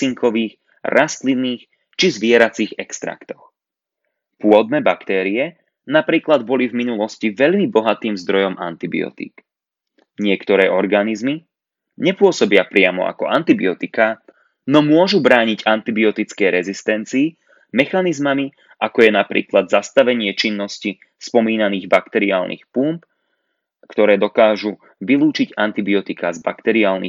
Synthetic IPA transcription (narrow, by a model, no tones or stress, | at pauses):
iŋkʰɔʋiːx | ɾʔast̪liniːx | t͡ʃizʋɪɛɾat͡siːɣɛkst̪ɾa̰kt̪ɔ̥x | pʊɔd̪̚nɛːbakt̪ɛːɾiɛ | napɾiːklad̪bɔlivminulɔsciʋɛʎmibɔɦat̪iːmzd̪ɾɔjɔma̰nt̪ibḭɔ̰t̪ḭːk | ɲɪɛkt̪ɔɾɛːʔɔɾɡanizmi | ɲɛpʊɔsɔbɪapɾɪamɔ̰a̰kɔʔant̪ibiɔt̪ika | nɔmʊɔʒubɾaːɲiɟant̪ibiɔt̪it͡skɛjɾɛzist̪ɛnt͡siː | mɛxanizmami | akɔjɛnapɾḭːklad̪zast̪aʋɛɲɪɛt͡ʃinːɔsci | spɔmiːnaniːɣbakt̪ɛɾiaːlnḭːxpump | kt̪ɔɾɛːd̪ɔkaːʒu | ʋilˠuːt͡ʃiɟant̪ibiɔt̪ikazba̰kt̪ɛɾiaːlnḭː